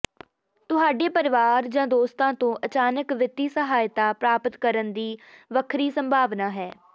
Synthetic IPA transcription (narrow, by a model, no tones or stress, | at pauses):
t̪ʊɦaːɖeːpəɾɪʋaːɾd͡ʒãːd̪oːst̪ãːt̪õːʔət͡ʃaːnəkʋɪt̪ːiːsəɦaːjt̪aːpɾaːpət̪kəɾənd̪iːʋəkʰɾiːsə̃mbʱaːʋnaːɦɛː